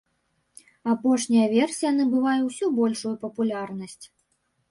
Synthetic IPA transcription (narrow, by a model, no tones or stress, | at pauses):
apɔʂnʲɐjɐvʲɛrsʲijanɨbɨvajuwsʲɔbɔlʲʂujupɐpulʲarnɐsʲt͡sʲ